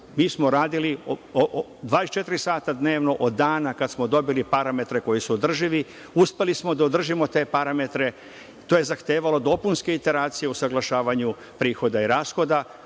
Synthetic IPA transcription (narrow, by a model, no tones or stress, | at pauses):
miːsmo̞ɾaːd̪iliood̪ʋaːd̪est͡ʃe̞t̪iɾisaːt̪ad̪ne̞ːʋno̞ʔod̪ːaːnakat̪smo̞d̪o̞bilipaɾame̞t̪ɾe̞ko̞jisuod̪r̩ʒiʋi | uspe̞lismo̞d̪aod̪r̩ʒimo̞t̪e̞ːpaɾame̞t̪ɾe̞ | t̪oːje̞zaxt̪eːʋalo̞d̪o̞punskeit̪e̞ɾaːt̪sije̞usaɡlˠaʃaːʋaɲu | pɾiːxo̞d̪aiɾaːsxo̞d̪a